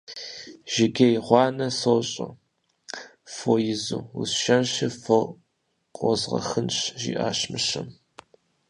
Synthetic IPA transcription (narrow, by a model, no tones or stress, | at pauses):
ʒ̥ɪɡɐjʁʷɑːnɐsoːɕʼo̰ | fojɪzṵːusʃɐnɕɪfo | qʷʼɔzʁɐ̰xɨnɕʒḭːʔa̰ːɕmɨɕɐ̰m